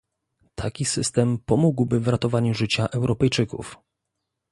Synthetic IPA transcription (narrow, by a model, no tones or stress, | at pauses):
t̪ʰakʲisɘst̪ɛmpɔmuɡwbɘvɾat̪ɔvaɲuʐɘt͡ɕaʔɛwɾʔɔpɛjt͡ʂɘkṵf